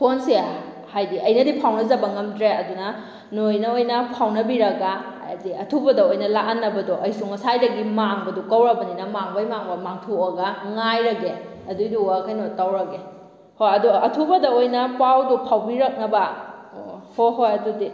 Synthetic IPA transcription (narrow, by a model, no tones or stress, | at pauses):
pʰonse | hajdiɐjnɐdipʰawnɐzɐbɐŋɐmdɾeɐdunɐ | nojnɐojnɐpʰawnɐbiɾɐɡa | ziɐtʰubɐdɐojnɐlakanːɐbɐdɔʔɐjsuŋɐsajɾɐɡimaŋbɐdukɐwɾɐbɐninɐmaŋbɐjmaŋbɐmaŋtʰuɐɡaŋajɾɐɡe | ɐdujduakʰajnotawɾɐɡe | hojɐduɐtʰubɐdɐojnɐpawdupʰawbiɾɐk̚nɐbɐ | hoɦojɐdudi